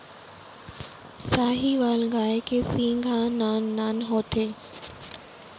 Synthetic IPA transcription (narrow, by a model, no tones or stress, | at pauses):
saːɦiʋaːlɡaːekesĩːŋɡʱãːnaːnːaːnɦoːt̪ʰeː